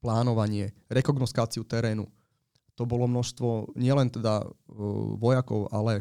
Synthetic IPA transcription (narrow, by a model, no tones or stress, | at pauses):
plˠaːnoʋaɲiɛɾekoɡnost̪aːt̪sijut̪ɛɾɛːnṵ | t̪obolˠomnoʃst̪ʋoɲiɛlɛnt̪ɛd̪a̰ | ʋojako̰wa̰lɛ